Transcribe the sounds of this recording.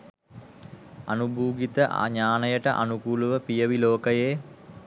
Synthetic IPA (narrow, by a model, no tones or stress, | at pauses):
a̰nubʱuːɡit̪əʔɲaːnəjəʈə̰ʔa̰nukuːluʋəpijəʋiloːkəjeː